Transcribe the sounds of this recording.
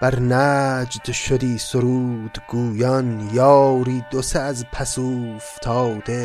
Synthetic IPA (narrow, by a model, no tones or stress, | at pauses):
b̥æɾnæd͡ʒd̪ʃod̪iːsoɾuːd̪ɡuːjɒnjɑːɾiːd̪oseːzpʰæsuːft̪ʰɑːwd̪e